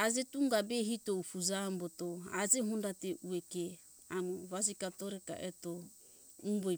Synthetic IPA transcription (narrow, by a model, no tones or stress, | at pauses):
ad͡ʒetuŋɡabeɦitoufud͡ʒambɔtoad͡ʒeɦundateʔueke | amuβasikatoɾɛka̰ʔeto | ubo